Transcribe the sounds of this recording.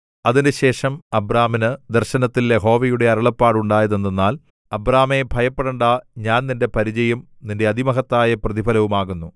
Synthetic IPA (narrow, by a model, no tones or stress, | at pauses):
ɐðinɨɕe̞ːʂɐmɐbraːminɨd̪ɐrɕɐnɐt̪ːiljeɦo̞ːʋɐjuɽe̞ɐɾɐɭɐpːaːɽuɳɖaːjɐðenːenːaːl | ɐbraːme̞bʱɐjɐpːeɽɐɳɖɐɲaːnninde̞pɐɾid͡ʑɐjɐm | ninde̞ɐd̪imɐɦɐt̪ːaːjɐprɐðibʱɐlɐʋumaːɣunːu